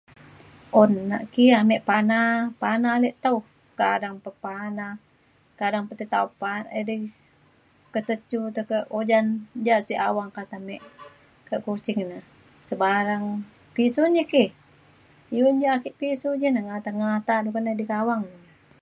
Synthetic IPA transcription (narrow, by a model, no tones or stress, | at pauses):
onːa̰ʔkiamɛʔpanapanalɛʔt̪au | kadaŋpəpana | kadaŋpət̪it̪aupanədi | kət̪ət͡ʃut̪əkəʔod͡ʒand͡ʒaʔsiʔawaŋkat̪amɛʔ | kəʔkut͡ʃɪŋnəh | səbaɾaŋ | pisund͡ʒəkih | jund͡ʒakiʔpisud͡ʒənəŋat̪aŋat̪adukənədikawaŋnə